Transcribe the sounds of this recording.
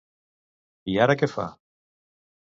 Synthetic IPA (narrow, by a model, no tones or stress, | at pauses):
iaɾakefa̰